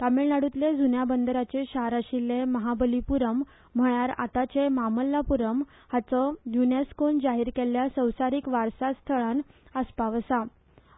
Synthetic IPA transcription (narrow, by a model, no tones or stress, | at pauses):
t̪ameɭnaɽut̪led͡zunjabənd̪əɾat͡ɕeɕaɦɾaɕileməɦabəlipuɾəm̤ː | əɭjaɾa̰t̪at͡ɕemaməlːapuɾəm | hat͡sɔjuneskond͡zaɦiːɾkeljasəwsaɾiːkʋaɾsast̪ʰəɭanəspaʋəsa